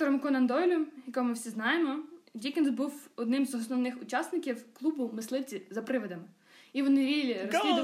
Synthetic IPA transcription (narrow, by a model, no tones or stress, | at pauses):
t̪ɔɾɔmkɔnɐnd̪ɔjlʲʊjɐkɔmɪwsʲiznɑjemɔdʲikʲɪnzbuwɔd̪nɪmzɔsnɔwnɪxʊt͡ʃɑsnɪkʲiwklˠubʊmɪslˠɪt͡sʲizɐpɾɪʋɐd̪ɐm | iʋɔnɪʋʲilʲiɾɔsliʊ